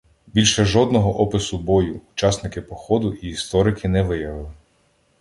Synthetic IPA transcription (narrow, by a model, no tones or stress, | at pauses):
bʲilʲʃɛʒɔd̪nɔɦɔʔɔpɪsʊbɔjʊːt͡ʃɑsnɪkɪpɔxɔd̪ʊʔiːst̪ɔɾɪkʰɪnɛʋɪjɐʋɪlˠɪ